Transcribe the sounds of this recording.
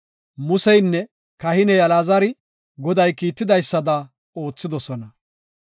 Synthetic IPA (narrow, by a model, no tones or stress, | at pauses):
mʊsɛjnːɛ | kɐhɪnɛjɐlaːzɐɾɪ | ɡɔd̪ɐjkiːt̪ːɪd̪ɐjsːɐd̪ɐ | o̞ːt͡sːɪd̪ɔsɔnɐ